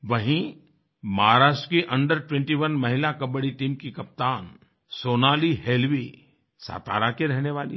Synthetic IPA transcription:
ʋɐɦĩ | maɦaɾaːʃʈkiʔɐ̃ɳɖəɾʈwẽɳʈiʋɐnmɐɦɪlakɐbəɽiʈiːmkikɐp̚t̪aːn | soːnaːliɦeːlʋi | sa̰ːt̪a̰ːɾakeɾɛɦneʋaːlḭ

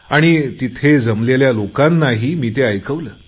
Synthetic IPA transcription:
aɽ̃it̪it̪ʰed͡zəmleljalokãnːaɦiːmiːt̪eəjkəʋləː

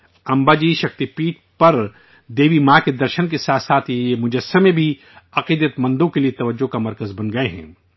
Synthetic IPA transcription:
ɐ̃mbaːd͡ʒiʃɐk̚t̪ipiːʈ̚ | pɐɾ | d̪eːʋimaːked̪ɐɾʃənkesaːt̪saːt̪ʰjeemʊd͡ʒɐsːəmẽbʱi | ɐqiːd̪ət̪mɐ̃nd̪õkeliet̪ɐʋəd͡ʒːokamɐɾkəzbɐnɡɐeɦɛ̰̃ː

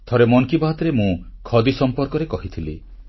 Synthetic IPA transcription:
t̪ʰɔɾemɔŋkibaɦɔt̪ɔɾemũkʰɔd̪isɔmpɔɾkɔɾekɔɦit̪ʰilḭ

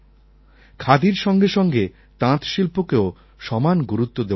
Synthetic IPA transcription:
kʰad̪iɾʃɔŋɡeʃɔŋɡe | t̪ãt̪ʃilpokeo | ʃɔmanɡuɾut̪ːod̪e

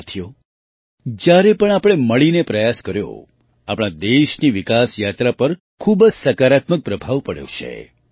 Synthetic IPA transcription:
t̪ʰjo | d͡ʒjaɾepəɳ̃apɽ̃eməɭinepɾəjaskəɾjo̰ | apɽ̃ad̪eʃniʋikasjat̪ɾapəɾ | kʰubd͡ʒsəkaɾat̪mək̚pɾəbʱaʋpəɽjo̰t͡ʃʰḛ

